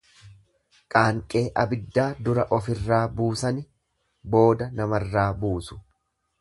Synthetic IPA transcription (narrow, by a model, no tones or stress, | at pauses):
kʼaːŋkʼe̞ːʔɐbɪd̪ːaːd̪ʊɾɐʔɔfɪrːaːbuːsɐnɪ | bo̞ːd̪ɐnɐmɐrːaːbuːsʊ̥